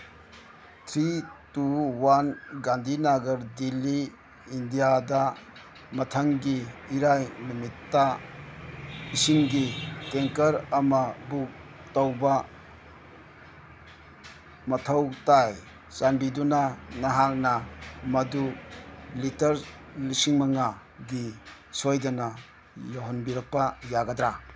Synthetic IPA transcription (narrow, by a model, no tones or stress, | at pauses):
tʰɾituwanɡandʱinaɡɐɾdilːiː | ndijadɐ | mɐtʰɐŋɡiːɾajnumitːa | isiŋɡiteŋkɐɾɐmɐbuk̚ | tɐwbɐ | mɐtʰɐwtaj | sanbidunanɐɦak̚nɐmɐdu | litɐɾ | lisiŋmɐŋa | ɡi | sojdɐnɐ | joɦɔnbiɾɐk̚pɐjaɡɐdɾa